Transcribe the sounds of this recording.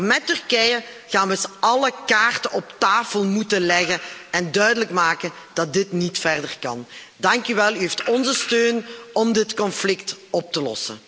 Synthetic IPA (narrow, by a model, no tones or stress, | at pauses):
mɛtːʏrkɛjə | ɣaːnʋəsɑləkaːrtənɔptaːfəlˠmutəlɛɣənɛndœɥdələkmaːkənd̥ɑt̚dɪtnitfɛrdərkɑ̰n | dɑŋkyʋɛlˠyɦeftɔnzəstøːnɔmdɪtkɔnflɪktɔp̚təlɔ̰sə̰